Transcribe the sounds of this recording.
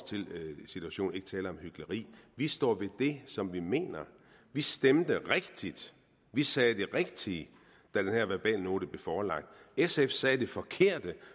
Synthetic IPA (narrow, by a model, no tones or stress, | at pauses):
t͡sʰe̝lsit͡sʰuæɕo̰ːn̩e̝ɡ̥ə̥t͡sʰɛːlɐɒ̽mhyɡ̥ləʁḭːʋisd̥ɒ̰ːʋe̝d̥e̝sɒ̽mʋime̝̰ːnɐ | ʋisd̥emd̥əʁeɡ̥d̥id̥ | ʋisɛːd̥eʁeɡ̥̚d̥iː | d̥æd̥enhæɐ̰ʋæɐb̥ɛ̰ːlno̝ːɾəb̥le̝fɒːlɑ̈ɡ̥̚d̥esefsɛːd̥e̝fɒ̽kʰe̝ɐ̰d̥ə